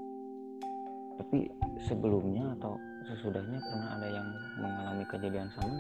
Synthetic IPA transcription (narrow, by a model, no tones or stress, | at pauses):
t̪apḭsəbəlumɲaːt̪aw | səsudahɲapərnaɦa̰dajaŋ | məŋalamikəd͡ʒadiansama